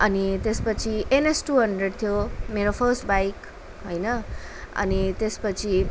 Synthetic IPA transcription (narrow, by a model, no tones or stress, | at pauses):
ʌnit̪espʌt͡sʰienesʈuɦʌɳɖreɖt̪ʰjomeɾopʰʌrsʈbajk | ɦojnʌ | ʌ̰nit̪espʌt͡sʰi